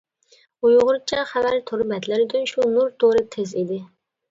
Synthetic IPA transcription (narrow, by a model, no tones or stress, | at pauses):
ujʊʁʊɾt͡ʃʰɛχævæɾt̪ʰoɾbɛt̪lɪɾyd̪ynʃunuɾt̪ʰoɾɨt̪ʰezid̪ɪ